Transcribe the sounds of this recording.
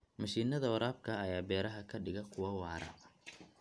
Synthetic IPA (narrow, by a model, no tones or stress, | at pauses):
mɐʃiːnɐðɐwɐɾaːb̚kʰɐːjaːbɛːɾɐɦɐkʰɐɖɪɣɐkʰʊwɐwɑːɾɐ̰